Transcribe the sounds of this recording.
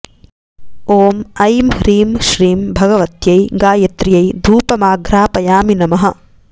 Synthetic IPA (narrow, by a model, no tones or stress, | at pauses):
oːmɐjmɾiːmʃɾiːmbʱɐɡɐʋɐt̪jɐjɡaːjɐt̪ɾijɐjd̪ʱuːpɐmaːɡɾaːpɐjaːminɐmɐɦɐ̆